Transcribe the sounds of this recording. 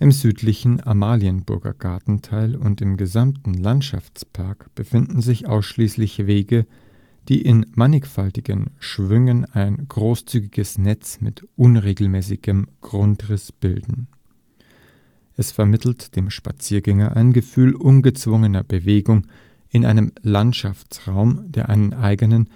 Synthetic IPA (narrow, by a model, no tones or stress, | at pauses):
ʔɪmzyːtlɪçn̩amaːliənbʊ̰ɐɡɐ̰ɡ̥aɐtn̩tʰaɪlʊntɪmɡəzamtn̩lantʃa̰ft͡spʰaɐkb̥əfɪndn̩zɪçʔaʊsʃliːslɪçveːɡə | d̥iːʔɪnmanɪkfaltɪɡənʃv̥ʏŋənaɪnɡʁoːst͡syːɡɪɡ̥əsnɛt͡smɪ̰tʔʊnʁeːɡl̩mɛːsɪɡəmɡ̥ʁʊntʁɪsb̥ɪ̰ldn̩ | ʔɛsfɛɐmɪtʰl̩td̥eːmʃpa̰t͡siːɐɡɛŋɐʔa̰ɪnɡəfyːlʔʊnɡət͡sv̥ʊŋənɐbəveːɡʊŋ | ʔɪnʔa̰ɪnəmlantʃaft͡sʁaʊmd̥eːɐʔaɪnənʔaɪɡənən